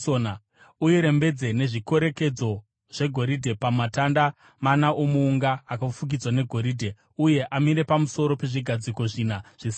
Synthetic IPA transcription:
ona | ujiɾe̞mbe̞d͡ze̞ne̞ʐiko̞ɾe̞ke̞d͡zo̞ | ʐ̥e̞ɡʱo̞ɾidʱe̞pamatanda | manaʔomuːŋɡaːkafuɡ̬id͡zwane̞ɡʱo̞ɾiːdʱe̞ | uje̞ʔamiɾe̞pamuso̞ɾo̞pe̞ʐiɡʱad͡ziko̞ʐinaʐ̥is

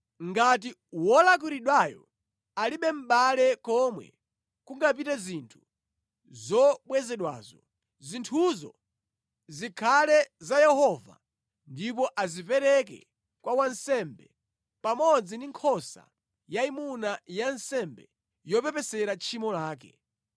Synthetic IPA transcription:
ŋɡati | wɔlak̬iɾiɗwajɔ̰ | aliɓɛm̩ɓalɛkɔmwɛ̰ | kuŋɡap̬itɛzintʰu̥ | zɔɓwɛzɛɗwa̰ːzɔ | zintʰuzɔ̰ | zikʰalɛzajɛhɔva̰ | ndip̬ɔʔazipɛɾɛkɛ̰ | kwawansɛmbɛ | pamɔd͡zindiŋkʰɔsa̰ | jaimunajansɛmbɛ | jɔpɛpɛsɛɾat͡ʃʰimɔlaːkɛ̰

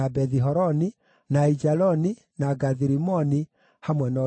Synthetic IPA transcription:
abɛðiɦɔɾɔni | naid͡ʒalɔni | naɡaðiɾimɔni | hamwɛnɔ

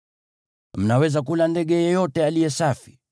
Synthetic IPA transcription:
m̩nawɛzakulandɛɠɛjɛjɔtɛalijɛsafi̥

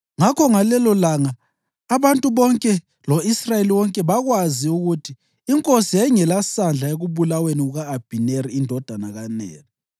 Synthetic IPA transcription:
ŋakʰɔŋalɛlɔlaŋaː | βantʼuβɔŋkʼɛ | lɔisrajeliwɔŋkʼɛβaɣwaziuɣutʰiː | ŋkʼosijɛŋɛlasand͡ɮʱaeɣuβulaweniuɣaːb̥ʱineriːndʱɔd̥ʱana̰ɣanɛ̰ːnɔ

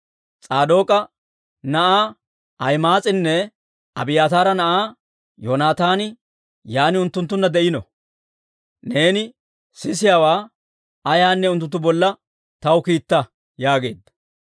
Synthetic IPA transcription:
t͡sʼaːd̪o̞ːkʼɐ | nɐʔaː | ɐjmaːt͡sʼɪnːɛ | ɐ̰bɪjaːt̪aːɾɐnɐʔaː | joːnaːt̪aːnɪ | jaːnɪʊnt̪ːʊnt̪̬ːʊnːɐd̪ɛʔɪnɔ̰ | ne̞ːnɪ | sɪs̬ɪjawaː | ɐjaːnːɛʊnt̪ːʊt̪ːʊbɔlːɐ | t̪ɐwkiːt̪ːɐ | jaːɡe̞ːd̪ːɐ

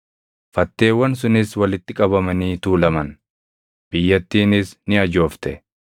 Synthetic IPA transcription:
fɐt̪ːe̞ːwːɐnsʊnɪswɐlɪt̪ːɪkʼɐβɐmɐniːt̪uːlɐmɐn | b̥ɪjːɐt̪ːiːnɪsnɪɐd͡ʒo̞ːft̪ɛ

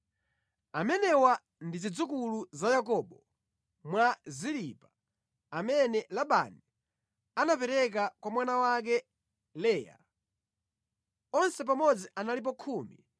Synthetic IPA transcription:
amɛnɛwa | ndizid͡zukuluzajakɔɓɔ | mwazilipa | amɛnɛlaɓa̰ni | anapɛɾɛk̬akwamwanawak̬ɛ | lɛːja̰ | ɔnsɛp̬amɔd͡ziʔanalip̬ɔkʰuːmḭ

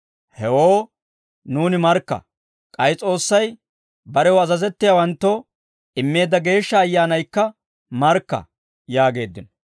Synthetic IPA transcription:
hɛwoː | nuːnɪmɐɾkːɐ̰ | kʼɐjt͡sʼo̞ːsːɐj | bɐɾɛwʊɐzɐzɛt̪ːɪjɐwɐnt̪ːo | ɪmːe̞ːd̪ɐɡe̞ːʃːɐːjːaːnɐjkːɐ | mɐɾkːɐ̰ | jaːɡe̞ːd̪ːɪnɔ

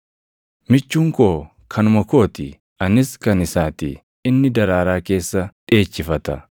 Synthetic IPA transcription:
mɪt͡ʃːuːŋkoː | kʰɐnʊmɐko̞ːt̪ɪ | ɐnɪskɐnɪsaːt̪ḭː | ɪnːɪd̪ɐɾaːɾaːke̞ːsːɐᶑe̞ːt͡ʃːɪfɐt̪ɐ̰

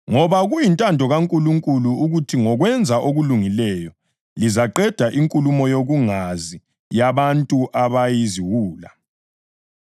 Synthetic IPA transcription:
ŋɔβaɣujintʼandʱɔɣaŋkʼuluŋkʼuluːɣutʰiŋɔɣwɛnd͡zʱaʔoɣuluŋilɛjɔ | lizaǃɛd̥ʱaʔiŋkʼulumɔjoɣuŋazi | jaβantʼuʔaβajiziwuːla

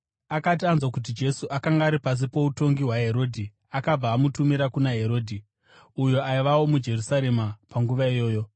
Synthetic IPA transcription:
akatianzwakut̬id͡ʒe̞suʔakaŋɡaːɾipas̬ipo̞uto̞ŋɡiɦwaɦe̞ɾo̞ːdʱi | akab͡vaːmutumiɾakunaɦe̞ɾo̞ːdʱi | ujoaiʋawo̞mud͡ʒe̞rusaɾe̞mapaŋɡuʋaijo̞ːjo̞

